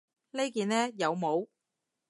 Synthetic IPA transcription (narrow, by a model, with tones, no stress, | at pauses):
le˥jkiː˨˧nɛː˥jɐ˨˧wmo˨˧w